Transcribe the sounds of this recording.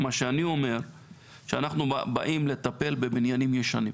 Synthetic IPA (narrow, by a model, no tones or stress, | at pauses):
maʃeanio̞me̞ʁ | ʃeanaχnubaʔimle̞t̪ape̞lbe̞binjanimjeʃanimm